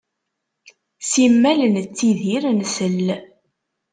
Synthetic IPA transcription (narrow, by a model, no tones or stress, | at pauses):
simːælənt͡sːiðiɾnsəl